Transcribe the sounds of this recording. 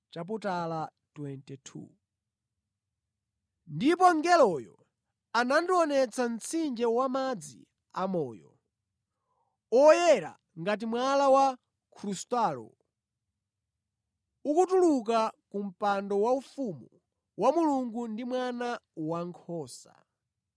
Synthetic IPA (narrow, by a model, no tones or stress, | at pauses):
t͡ʃap̬utala | twɛntɛtʰṵ | ndipɔŋɡɛlɔjɔ | anandiɔnɛt͡sʰan̩t͡sʰind͡ʒɛwamad͡zḭ | amɔːjɔ̰ | ɔjɛɾa̰ | ŋɡat̬imwalawa | kʰɾustalɔ̰ | ukutuluk̬akum̩pandɔwaufumu | wamuluŋɡundimwanawaŋkʰɔːsa̰